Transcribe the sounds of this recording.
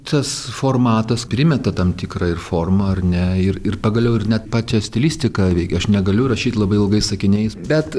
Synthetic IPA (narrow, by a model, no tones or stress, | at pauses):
t̪ɐsfoːrmɑːt̪ɐspʲɾʲɪmʲɛt̪ɐt̪ɐmt̪ʲiːkɾɐɪrfoːrmɐɐrnʲɛɪrɪrpɐɡɐlʲɛʊɪɾnʲɛt̪pɑːt͡ʃʲɛsʲt̪ʲɛlʲiːsʲt̪ʲɪkɑʋʲɛɪkʲːɐʃnʲɛɡɐlʲʊrɐʃʲiːt̪ʲlˠɐbɐɪɪlˠɡɐɪsɐkʲɪnʲɛɪsbʲɛt̪